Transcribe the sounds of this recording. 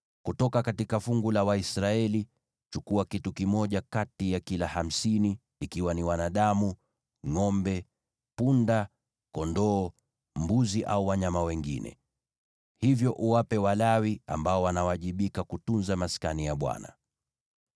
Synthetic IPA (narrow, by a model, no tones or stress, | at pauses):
kutɔkakatikafuŋɡulawaisɾaɛli | t͡ʃukuakitukimɔʄakatijakilaham̩siniː | kiwaniwanaɗamu | ŋɔmbɛ | punda | kɔndɔː | mbuziʔa̰uwaɲamawɛŋɡḭnɛ̰ | hivjɔʔuwapɛwalawia̰mbaɔwanawaʄiɓikakutunzamaskanijaɓwa̰na̰